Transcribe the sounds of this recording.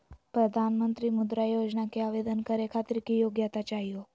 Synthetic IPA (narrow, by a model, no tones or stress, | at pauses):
pɾəd̪ʱanmənt̪ɾimʊd̪ɾajod͡ʒnakeaʋed̪ənkəɾekʰat̪ɪɾkijoɡjat̪at͡ʃaɦijo